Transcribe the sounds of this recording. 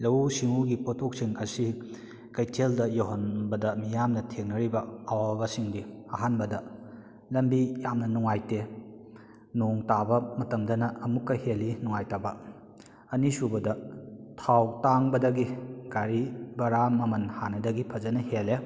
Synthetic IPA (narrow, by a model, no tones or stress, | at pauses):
lɐwsiŋuɡipotʰok̚siŋɐsi | kɐjtʰeldɐjoɦonbɐdɐmijamnɐtʰeŋnɐɾibɐːwabɐsiŋdiɐɦanbɐdɐ | lɐmbijamnɐnuŋajte | noŋtabɐmɐtɐmdɐnɐʔːmukːɐhelinuŋajtabɐː | nisubɐdɐtʰawtaŋbɐdɐɡiɡ̥aɾibɐɾamɐmɐnhanɐdɐɡipʰɐzɐnɐhele